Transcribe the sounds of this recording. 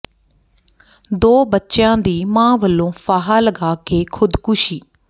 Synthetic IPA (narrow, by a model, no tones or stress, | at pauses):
d̪oːbətːʃjãːd̪iːmãːʋəlːõːpaːɦaːləɡaːkeːkʰʊd̪kʊʃiː